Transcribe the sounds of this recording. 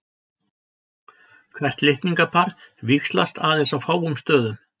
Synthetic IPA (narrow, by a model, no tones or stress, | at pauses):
kʰvɛr̥t̪lɪht̪niŋkapʰaɾvikslast̪aːðensawfaːwʏmst̪œːðʏm